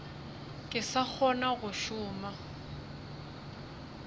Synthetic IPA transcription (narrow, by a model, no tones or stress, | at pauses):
kʼɪsak͡xʰɔnaɣʊʃʊːma